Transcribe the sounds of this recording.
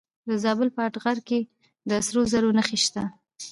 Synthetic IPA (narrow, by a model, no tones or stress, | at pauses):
d̪əzɑbəlpəaʈɣaɾke | d̪əsɾozaɾonaxeʃt̪a